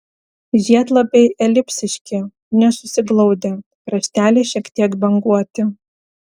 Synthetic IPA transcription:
ʒʲiɛt̪lˠɐbʲɛɪʔɛlʲɪpʲsʲɪʃʲkʲɪ | nʲɛsʊsʲɪɡlˠɒʊd̪ʲe | kɾɐʃʲt̪ʲæːlʲeːʃʲiɛkt̪ʲiɛkbʲɛŋɡuɔt̪ʲɪ

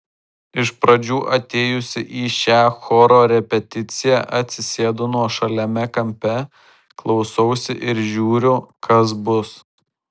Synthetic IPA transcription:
ɪʃpɾɐd͡ʒʲuːʔɐt̪ʲeːjʊsʲɪʔiːʃʲæːxɔːɾoːɾʲɛpʲɛt̪ʲɪt̪sʲɪjæʔɐt̪ʲsʲɪsʲeːd̪ʊnuɔʃɐlʲɛmʲɛkɐmʲpʲɛ | klˠɒʊsɔʊsʲɪʔɪɾʒʲuːɾʲʊkɐs̬bʊs

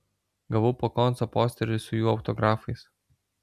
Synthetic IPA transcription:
ɡɐʋɐʊpoːkɔnt̪sopoːsʲt̪ʲɛɾʲɪsʊjuːɐʊt̪ɔɡɾɑːfɐɪs

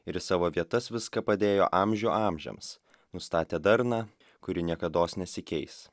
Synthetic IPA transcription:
ɪɾsɑːʋoːʋʲiɛt̪ɐsʋʲɪskɐpɐd̪ʲeːjo̰ːʔɑːmʲʒʲuːʔɑːmʲʒʲɛ̰ms | nʊst̪ɑːt̪ʲeːd̪ɐɾnɑː | kʊɾʲɪnʲiɛkɐd̪oːsnʲɛsʲɪkʲɛɪs

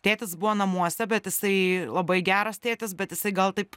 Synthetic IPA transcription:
t̪ʲeːt̪ʲɪsbʊʋoːnɐmuɔsʲɛbʲɛt̪jɪsɐɪlˠɐbɐɪɡʲæːɾɐst̪ʲeːt̪ʲɪsbʲɛt̪jɪsɐɪɡɐlˠt̪ɐɪp

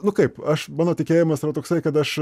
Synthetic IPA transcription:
nʊkɐɪpɐʃmɑːnoːt̪ʲɪkʲeːjɪmɐsɪɾɐt̪oːksɐɪkɐt̪ɐʃ

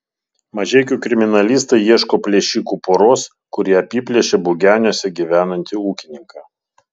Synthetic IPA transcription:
mɐʒʲɛɪkʲukɾʲɪmʲɪnɐlʲiːˑst̪ɐɪjiɛʃkoːpʲlʲɛːʃʲiːkuːpoɾoːs | kʊɾʲiɛɐpʲiːpʲlʲɛʃʲebʊɡʲæːnʲoːsʲɛɡʲiʋʲæːnɐnʲt̪ʲɪuːkʲɪnʲɪŋkɑː

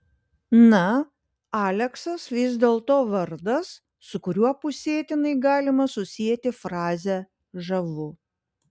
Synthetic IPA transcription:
nɐ | ɑːlʲɛksɐsʋʲɪzʲd̪ʲeːlˠt̪oːʋɐɾd̪ɐsː | ʊkʊɾʲuɔpʊsʲeːt̪ʲɪnɐɪɡɑːlʲɪmɐsʊsʲijɛt̪ʲɪfɾɑːzʲɛ | ʒɐʋʊ

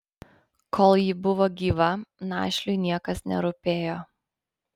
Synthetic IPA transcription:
kʰoːlˠjɪbʊʋoːɡʲiːʋɐnɑ̰ːʃʲlʲʊɪnʲiɛkɐsnʲɛ̰ɾʊpʲeːjoː

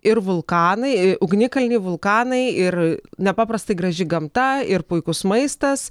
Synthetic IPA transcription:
ɪrʋʊlˠkɑːnɐɪʊɡnʲɪkɐlʲnʲɪʋʊlˠkɑːnɐɪɪrnʲɛpɑːpɾɐst̪ɐɪɡɾɐʒʲɪɡɐmt̪ɐɪrpʊɪkʊsmɐɪst̪ɐs

